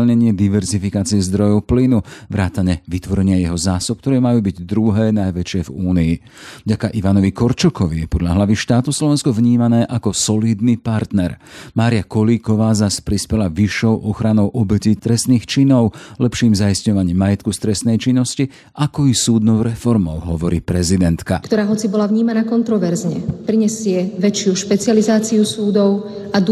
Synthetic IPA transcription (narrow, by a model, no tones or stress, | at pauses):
lɲɛɲɪɛd̪iʋɛɾzifikaːt͡siɛzd̪ɾɔjɔʊplinuʋɾaːt̪aɲɛʋit̪ʋɔɾɛɲɪajɛɦɔzaːsɔpkt̪ɔɾɛːmajuːbiɟd̪ɾuɦɛːnajʋɛt͡ʃɪɛvuːniː | vɟakaʔiʋanɔʋikɔɾt͡ʃɔkɔʋijɛpɔd̪ʎaɦlaʋiʃt̪aːt̪uslɔʋɛnskɔvɲiːmanɛːʔakɔsɔliːd̪nipaɾt̪nɛɾmaːɾɪjakɔliːkɔʋaːzaspɾispɛlaʋiʃːɔʊʔɔxɾanɔʊʔɔbɛcit̪ɾɛst̪niːxt͡ʃinɔʊlɛpʃiːmzaisɲɔʋaɲiːmːajɛt̪kust̪ɾɛst̪nɛjt͡ʃinːɔsci | ʔakɔisuːd̪nɔʊɾɛfɔɾmɔʊɦɔʋɔɾiːpɾɛzid̪ɛnt̪kakt̪ɔɾaːɦɔt͡sibɔlavɲiːmanaːkɔnt̪ɾɔʋɛɾzɲɛpɾiɲɛsɪɛʋɛt͡ʃjuʃpɛt͡sɪalizaːt͡siusuːd̪ɔʊ | ad̪